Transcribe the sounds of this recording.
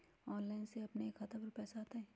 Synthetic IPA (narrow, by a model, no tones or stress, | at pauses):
ɔːnlaːɪnseɐpneːkʰɐt̪apɐɾpɛːsaːt̪aɦɛː